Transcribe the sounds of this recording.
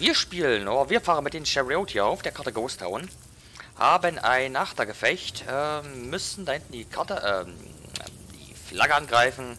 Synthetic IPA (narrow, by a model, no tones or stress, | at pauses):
viːɐʃpiːlənʔoːɐviːɐfaːʁənmɪt̚d̥eːmʃɛʁioːtʰiaʊfd̥eːɐkʰaɐtəɡoːstʰa̰ʊn | haːbənʔa̰ɪnaχtɐɡəfɛçtɛːmʏsn̩dahɪntn̩diːkʰaɐtəʔɛ̰ | d̥ḭːflaɡəʔanɡʁaɪfn̩